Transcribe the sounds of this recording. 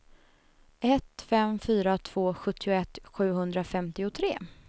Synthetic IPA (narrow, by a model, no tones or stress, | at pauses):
ʔɛt̪fɛmfyːɾat̪ʰv̥oːɧɵt̪ʰːɪʊɛt̪ːɧʉ̟ːɦɵnd̪ɾafɛmt̪ɪʊt̪ʰɾeː